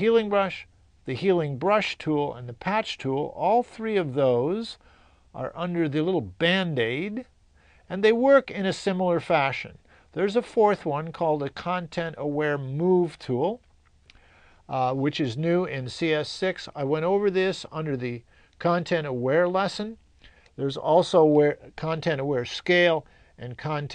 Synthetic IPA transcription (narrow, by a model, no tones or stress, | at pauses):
hilˠɪ̃ŋbɹʌʃ | ðɨhilˠɪ̃ŋbɹʌʃtʰulˠə̰̃nðɨpʰæt͡ʃtʰulˠɔlˠθɹiʌvðoʊz | ʔə̰˞ʔʌ̃ndə˞ðɨlɪɾl̩ˠbæ̃ndeɪd | ɨ̃nðeɪwɜ˞kɪ̃ñɨsɪ̃ml̩ˠə˞fæʃɨ̰̃n | ðə˞zəfɔɹθwʌ̃nkʰɔlˠdɨkʰɑ̃ntʰɛ̃ntəwɛɹmuv̥tʰulˠ | wɨt͡ʃɨznʉɪ̃nsiɛsɪksa̰ɪwɛ̃ɾ̃oʊvə˞ðɪsʌ̰̃ndə˞ðɨ | kʰɑ̃ntʰɛ̃ɾ̃əwɛɹlɛsɨ̃n | ðə˞zɔlˠsoʊəwɛɹkʰɑ̃ntʰɛ̃ɾ̃əwɛɹskeɪlˠ | ʔɨ̃nkʰɑ̃ntʰ